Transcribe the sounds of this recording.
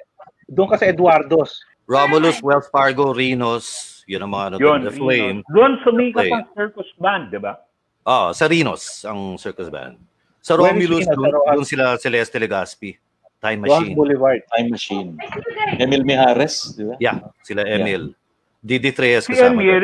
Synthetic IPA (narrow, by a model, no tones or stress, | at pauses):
d̪ʊʔʊnkɐsɐɛd̪waɾd̪os | ɹomʊlʊswɛlt̪faɹɡoɾiːnosjʊnɐŋmɐŋaʔɐnojonɐflejmd̪nsʊmikɐɐŋsɛɹkʊsband̪̚ːɪba | ʔosɐɾino̰sɐŋsɛɹkʊsba̰nd̪̚ | sɐɾomilud̪oʊnsɪlasɛlɛst̪ɛlɛɡaspi | t̪ajmːɐʃinbolɪvad̪̚ajmːɐʃinʔɛmilmɛhaːɾɛsd̪ɪbajasɪlaʔɛmɪl | d̪id̪it̪ɾɛɛskɐɛaɪl